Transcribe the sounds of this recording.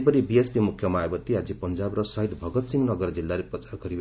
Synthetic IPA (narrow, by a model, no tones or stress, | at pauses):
pʌɾibiespimukʰjʌmaajbʌt̪ːiɦad͡zipʌnd͡zabrʌsʌɦid̪bʱʌɡʌt̪siŋɡnʌɡʌrd͡zilːaɾeprʌt͡sarɡʌɾib